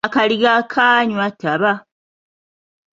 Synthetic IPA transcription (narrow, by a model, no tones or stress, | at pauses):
akaliɡakʰaːɲwatʰːaβa